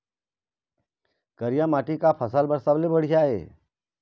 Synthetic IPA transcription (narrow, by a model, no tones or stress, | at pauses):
kəɾijamaːʈikapʰəsəlbəɾsəblebəɽ̤ijaɦḛː